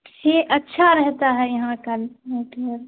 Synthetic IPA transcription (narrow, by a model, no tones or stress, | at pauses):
heʔətːʃʰaɾɛɦt̪aɦɛjɐɦãkəlmeːʈəɾ